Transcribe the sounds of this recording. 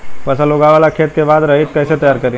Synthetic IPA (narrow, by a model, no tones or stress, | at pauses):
pɐsəloɡaʋaːlakʰeːt̪̚kebaːd̪ɾɐɦit̪̚kɛːset̪ɐjaːɾkɐɾe